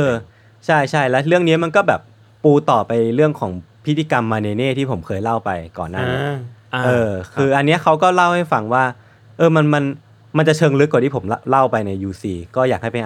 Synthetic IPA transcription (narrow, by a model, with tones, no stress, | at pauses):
ʔʔɤː˧ | t͡ɕʰa˥˩jt͡ɕʰa˥˩jlɛ˦˥ɾɯ˥˩əŋniː˦˥ma˧nkɔː˥˩bɛː˨˩p̚ː | uː˧t̪ɔː˨˩pa˧jɾɯ˥˩əŋkʰɔː˩˦ŋpʰi˦˥t̪ʰːiː˧˩ka˧mːaː˧neː˧neː˥˩t̪ʰiː˥˩pʰo˩˦mkʰɤː˧jla˥˩wpa˧jkɔː˨˩nːaː˥˩i˦˥ʔɤː˧kʰɯː˧ʔa˧nːi˦˥ɐkʰa˦˥wkɔː˥˩la˥˩wha˥˩jfa˧ŋwaː˥˩ | ʔɤː˧ma˧nma˧n | ma˧nt͡ɕa˨˩t͡ɕʰɤː˧ŋlɯ˦˥kwt̪ʰiː˥˩pʰmla˥˩wpa˧jna˧jːuː˧siː˧kɔː˥˩jaː˨˩k̚ha˥˩jpe˧n